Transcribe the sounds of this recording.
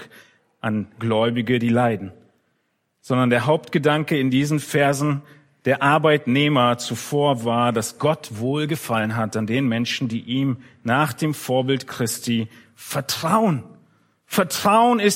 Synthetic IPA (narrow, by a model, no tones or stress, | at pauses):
ʔanɡlɔʏbɪɡədiːlaɪdn̩ | z̥ɔndɐndeːɐɦaʊp̚tɡ̥ədaŋkəɪndiːzn̩fɛɐzn̩ | d̥eːɐʔaɐbaɪtneːmɐt͡sufoːɐvaːɐdasɡ̥ɔtv̥oːlɡəfalənɦatandeːnmɛnʃn̩diːʔiːm | naːχd̥eːmfoːɐbɪltkʁ̥ɪstʰiː | fɛɐtʁ̥aʊən | fɛɐtʁ̥aʊənɪs